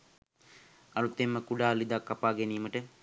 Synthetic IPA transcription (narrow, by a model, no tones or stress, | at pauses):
ɐɾut̪ːemːəkuɖaːlid̪akːɐpaːɡeniːməʈə